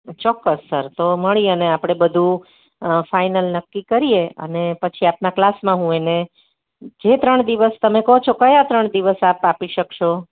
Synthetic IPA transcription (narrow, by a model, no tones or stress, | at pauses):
t͡ʃɔkːəssəɾt̪oməɭiəneapɽ̃ebəd̪ʱũ | fajnəlnəkːikəɾieə̰nepət͡ʃʰiapnaklasmãɦũene | d͡ʒet̪ɾəɳd̪iʋəst̪əmekəɦot͡ʃʰokəjat̪ɾəɳd̪iʋəsapapiʃəkʃo